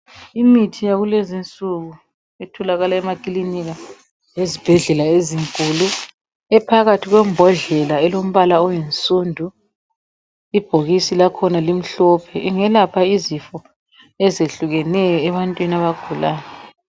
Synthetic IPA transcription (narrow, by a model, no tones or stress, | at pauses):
imitʰijaɣulezint͡sʼuɣu | etʰɔlaɣalaɛmakʼiliniɣa | jezib̥ʱɛɮɛlaeziŋkʼulu | ɛpʰaɣatʰiɣwɛmbʱɔɮɛlaɛlom̩βalaɔjensʼuːndʱu | ib̥ʱoɣisilakʰɔnalim̩ɬɔpʰɛʔiŋɛlapʰaizifɔ | ɛzeɬuɣɛnɛjɔɛβantʼwinaβaɡ̥ʱulaːnɛ